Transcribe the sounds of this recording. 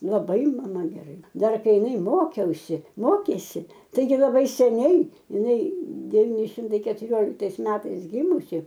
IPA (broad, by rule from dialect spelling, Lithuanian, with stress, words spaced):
lˠɐˈbɐɪ mɐˈmɐ ɡʲɛˈrɐɪ ˈdɐr ˈkɐɪ ɪˈnɐɪ ˈmoːkʲɛʊsʲɪ ˈmoːkʲeːsʲɪ ˈtɐɪɡʲɪ lˠɐˈbɐɪ sʲɛˈnʲɛɪ ɪˈnɐɪ dʲɛˈʋʲiːnʲɪ ˈʃʲɪmtɐɪ kʲɛtʊˈrʲoːlʲɪktɐɪs ˈmʲæːtɐɪs ˈɡʲɪmʊsʲɪ